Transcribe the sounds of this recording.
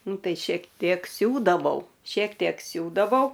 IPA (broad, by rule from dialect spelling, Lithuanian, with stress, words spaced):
ˈnʊ ˈtɐɪ ʃʲiɛk ˈtʲiɛk ˈsʲuːdɐʋɐʊ ʃʲiɛk ˈtʲiɛk ˈsʲuːdɐʋɐʊ